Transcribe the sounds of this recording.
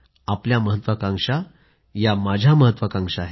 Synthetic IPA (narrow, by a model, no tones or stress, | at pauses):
apljaməɦət̪ʋəkãŋʂa | jamad͡ʑʱaməɦət̪ːʋəkãŋʂaɦe